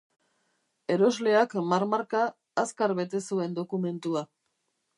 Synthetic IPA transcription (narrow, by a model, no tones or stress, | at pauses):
e̞ɾo̞zle̞akmaɾmaɾkaː | skaɾβe̞t̪e̞sue̞nd̪o̞kume̞nt̪ua